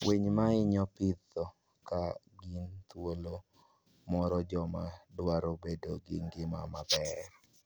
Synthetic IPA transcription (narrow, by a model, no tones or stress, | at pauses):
wʔeɲmaɪɲɔpɪt̪ːɔ | ka | ɡint̪wolo | mɔɾɔd͡ʒɔmadwaɾobedoɡɪŋɡɪmamabɛr